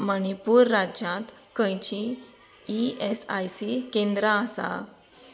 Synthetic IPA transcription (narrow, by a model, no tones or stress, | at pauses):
məɳipuːɾːad͡ʑjãt̪kə̃jt͡ɕiː | esajsikẽnd̪ɾaəsa̰